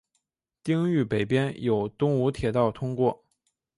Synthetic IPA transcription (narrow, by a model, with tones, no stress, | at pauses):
t̪i˥ŋy˥˩pe˨˩ɪpjɛ˥njo˨˩ʊt̪ʊ˥ŋu˧˥t̪ʰjɛ˨˩t̪ɑ˥˩ʊt̪ʰʊ˥ŋkwɔ˥˩